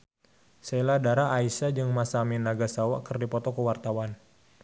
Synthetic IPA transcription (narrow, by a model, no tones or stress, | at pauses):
seladaɾaʔːisad͡ʒɨŋmasaminaɡasawaʔkərdipɔt̪ɔkəwart̪awan